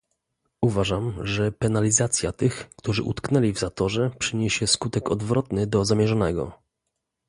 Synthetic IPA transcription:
uvaʐamʐɛpɛnalʲizat̪sʲjat̪ɘxkt̪uʐɘ̰ʔṵt̪knɛlʲivzat̪ɔʐɛpʂɘɲɛɕɛskut̪ɛkɔd̪vɾɔt̪nɘd̪ɔzamʲjɛʐɔnɛɡɔ̰

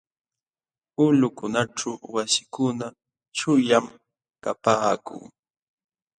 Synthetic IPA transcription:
ʊlʊkʊnaʈ͡ʂawwasɪ̥kʊna | t͡ʃʊjam | kapaːkʊ̰ŋ

